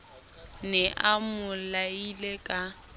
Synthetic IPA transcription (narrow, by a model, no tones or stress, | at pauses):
nɛʔamʊlailekʼa